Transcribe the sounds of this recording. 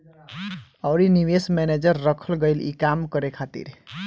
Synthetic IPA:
əʊɾiniʋesmɛned͡ʒəɾːəkʰəlɡəɪlḭkamkəɾekʰat̪ḭɾ

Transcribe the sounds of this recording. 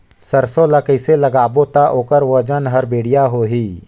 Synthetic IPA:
səɾsõləkəɪseləɡaːbot̪aʔoːkəɾʋəd͡ʒənɦəɾbeːɽijaɦoːɦiː

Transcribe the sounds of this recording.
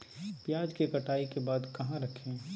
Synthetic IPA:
pjaːd͡ʒkekɐʈʰaːikebaːd̪kɐɦãɾɐkʰẽː

